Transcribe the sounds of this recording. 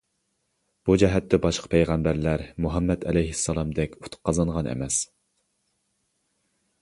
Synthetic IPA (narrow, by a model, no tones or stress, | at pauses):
b̥ud͡ʒɛɦɛt̪ːɛbɑʃqʰə̥pʰɛjʁæmbæɾlæɾmuɦɑmːɛd̪ɛ̰lɛjɦɪsːɑlˠɑmd̪ɛkʲu̥t̪ʰʊ̥qːɑzɑnʁɑnʔɛ̰mɛs